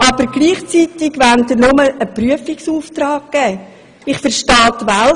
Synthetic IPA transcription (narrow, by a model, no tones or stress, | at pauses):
ʔɑb̥əɾɡ̥liːχt͡sit̪ɪɡʋænt̪ənʊməəpryəfɪksuːft̪rɑːɡkːɛː | ɪχfəɾʃtɑːtʋæl